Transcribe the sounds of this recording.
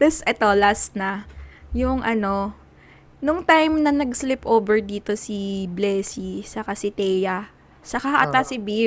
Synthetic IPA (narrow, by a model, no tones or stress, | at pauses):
t̪ɐsʔɛt̪o̞las̚nɐjʊŋʔɐno̞ | nʊŋt̪ajmnɐnɐɡslɪpʔoːbɛɹd̪iːt̪o̞siblɛːsisɐkasɪt̪ɛjɐ | sɐkɐhɐʔɐt̪asɪbi